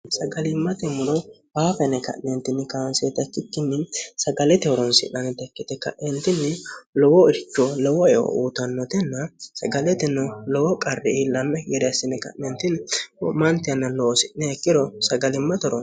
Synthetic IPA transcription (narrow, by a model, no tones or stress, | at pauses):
sɐɡɐlɪmːɐt̪ɛmʊɾɔ | baːfɛnɛkɐ̰ʔnɛnt̪ːɪnɪkaːnset̪ɐt͡ʃːɪkːɪnːɪsɐɡɐlɛt̪ɛɔɾɔnsɪ̰ʔɐnɛt̪ɛkːɪt̪ɛkɐ̰ʔɛnt̪ɪnːɪlɔwɔɪɾt͡ʃːɔlɔwɔɛɔ̰uːt̪ɐnːɔt̪ɛnːɐsɐɡɐlɛt̪ɛnːɔlɔwɔkʼɐrːɪlɐmːɛjɛɾɛɐsɪnɛkɐ̰ʔnɛnt̪ɪnɔmɐnt̪ɪɐnːɐlɔwɔsɪʔnɛɛkːɪɾɔsɐɡɐlɪmːɐt̪ɔɾɔn